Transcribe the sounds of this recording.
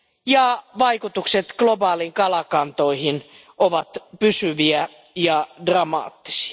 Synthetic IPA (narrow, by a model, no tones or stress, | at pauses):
jɑʋɑikut̪ukset̪ɡ̥lobɑːliŋkɑlɑkɑnt̪oihin | ʔoʋɑt̪pysyʋiæ | jɑdrɑmɑ̰ːt̪ːi̥si̥ɑ